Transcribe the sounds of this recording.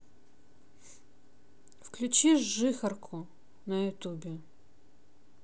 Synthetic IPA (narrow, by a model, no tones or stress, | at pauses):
fklʲʉt͡ɕiʂʐɨxɐrkʰʊ | nɐjʊt̪ubʲɪ